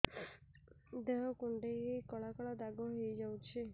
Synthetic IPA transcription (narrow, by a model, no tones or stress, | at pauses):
d̪eɦɔkuɳɖeikɔɭakɔɭad̪aɡɔɦejd͡ʒawt͡ʃʰi